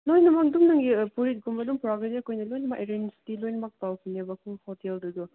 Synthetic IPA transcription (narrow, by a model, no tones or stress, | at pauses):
nojnɐmak̚dumnaŋɡipuɾit̚ɡumbɐdumpɾaɡediɐkʰojnɐlojnmaʔeɾenstilojnmak̚tawkʰinebɐkʰuhoteldɐdu